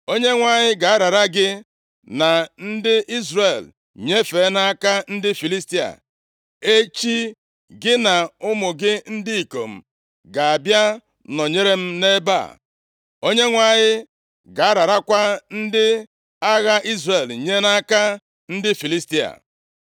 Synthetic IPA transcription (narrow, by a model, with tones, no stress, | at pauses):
o˦ɲe˦ŋʷa˨ɲɪ˦ɡa˨a˦ɾa˨ɾa˦ɡɪ˦ | na˨n̩˦dɪ˦ʔi˦zre˨l | ɲe˦fe˨˦na˦ka˦n̩˦dɪ˦fi˨li˦sti˦a̰˨ | e˦t͡ʃi˦ | ɡɪ˦na˨ʊ˦mʊ˨ɡɪ˦n̩˦dɪ˦i˨ko̰˨m̩˨ | ɡa˨a˨bja˦ | nɔ˨ɲe˦ɾe˦m̩˦ne˦ba̰˦˨ | o˦ɲe˦ŋʷa˨ɲɪ˦ | ɡa˨a˦ɾa˨ɾa˦kʷa˦n̩˦dɪ˦ | a˦ɣa˦ʔi˦zre˨lɲe˦na˦ka˦ | n̩˦dɪ˦fi˨li˦sti˦a̰˨